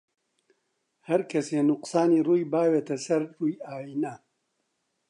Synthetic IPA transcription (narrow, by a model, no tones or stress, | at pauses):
hɐɾkʰɐseːnʊqsaːniːruːjbaːweːt̪ɐsɐɾruːjaːjiːnɐ